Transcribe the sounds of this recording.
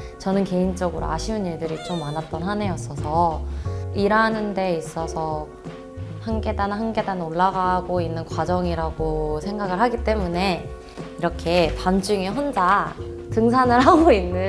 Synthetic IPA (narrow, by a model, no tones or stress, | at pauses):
t͡ɕʌnɯnke̞int͡ɕ͈ʌɡɯɾo̰aɕʰiuniɭdɯɾit͡ɕ͈omːanat̚t͈ʌnɦane̞jʌs͈ʌsʰʌ | iɾanɯnde̞is͈ʌsʰʌ | hanɡe̞danhanɡe̞danoɭːaɡaɡoinːɯnkwad͡ʑʌŋiɾaɡosʰe̞ŋɡaɡɯɭhaɡit͈e̞mune̞ | iɾʌkʰe̞pand͡ʑuŋeɦond͡ʑatɯŋsʰanɯɭɦaɡoinːɯ